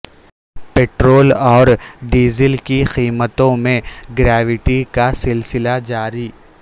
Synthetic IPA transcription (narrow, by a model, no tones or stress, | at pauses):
peːʈɾoːlɔːɾɖiːzəlkixiːmət̪õmẽɡɾɛːʋɪʈikasɪlsɪlad͡ʒaːɾiː